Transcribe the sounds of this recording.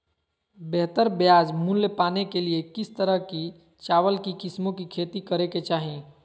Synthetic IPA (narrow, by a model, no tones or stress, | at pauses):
bɛɦt̪əɾbjad͡ʒmunlepanekeliekist̪əɾəɦki | t͡ʃaʋəlkikismokikʰet̪ikəɾeket͡ʃaɦi